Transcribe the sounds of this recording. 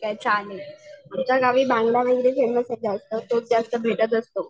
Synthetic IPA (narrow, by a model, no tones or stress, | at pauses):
kɛt͡saːleamt͡ɕaɡaʋiːbãŋɡljaʋəɡɾefeməsed͡zaəst̪ət̪od͡zast̪əbʱeʈət̪əst̪o